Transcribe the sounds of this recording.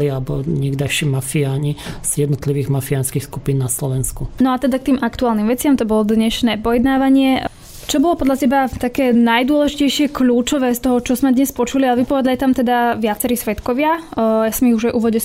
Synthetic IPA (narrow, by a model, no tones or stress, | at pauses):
liabɔɲɪɛɡd̪aʃɛmafiaːɲiz̥jɛd̪nɔt̪liʋiːɣmafianskixskupiːnnaslɔʋɛnskunɔat̪ɛd̪ak̚t̪iːmʔakt̪uaːlnimʋɛt͡sɪamt̪ɔbɔlɔd̪ɲɛʃnɛːpɔjɛd̪naːʋaɲɪɛ | t͡ʃɔbɔlɔpɔd̪ʎacɛbat̪akɛːnajd̪ʊɔlɛʒicɛjʃɪɛkʎuːt͡ʃɔʋɛːst̪ɔɦɔt͡ʃɔzmɛd̪ɲɛspɔt͡ʃulialɛʋipɔʋɛd̪aljat̪amt̪ɛd̪aʋɪat͡sɛɾisʋɛt̪kɔʋɪajasɔmiɣuʒajʔuːʋɔɟɛ